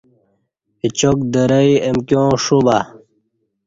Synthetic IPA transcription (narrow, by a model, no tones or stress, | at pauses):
it͡ɕok̚d̪əɾəiemkjõːʂuba